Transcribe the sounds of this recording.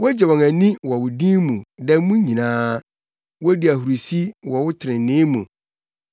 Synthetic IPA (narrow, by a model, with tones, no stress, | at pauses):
wɔ˦d͡ʑɛ˨wɔ̃˨ŋæ̃˨nĩ˦wɔ˨wʊ˨dĩ˦mũ˨dɛ˦mũ˦ɲĩ˨nãː˦ | wɔ˦di˨æ˨hu˨ɾu˨si˦wɔ˨wʊ˦tʰɪ˨ɾɪ̃˨n˨nɪ̃˦mṵ̃˨